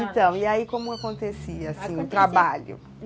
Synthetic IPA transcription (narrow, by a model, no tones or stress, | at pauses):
t̪ɐ̃w̃iaikõmʊakõnt̪esiɐasĩʊ̃t̪ɾabaʎʊ̰